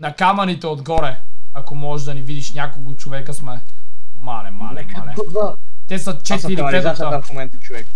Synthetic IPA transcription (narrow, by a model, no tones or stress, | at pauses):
nɐkamɐnit̪ɛod̪ɡɔɾɛɐkomɔd̪ɐnivid̪iʃnʲjakolˠkot͡ʃovɛkəsmɛmalɛma̰lɛ̰ma̰lɛt̪ɛsɐt͡ʃɛt̪iɾiɛt̪ot̪ɐfmomɛnt̪t͡ʃovɛk